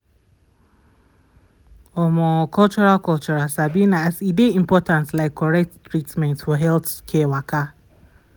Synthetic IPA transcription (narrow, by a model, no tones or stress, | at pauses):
ɔmɔkɔlt͡ʃɔɾalkɔlt͡ʃɔɾasabinaasideim̩pɔtãnslaɪkʰːɔɾɛk̚ttɾitmɛ̃ntfɔɦɛlθkʰɛwaka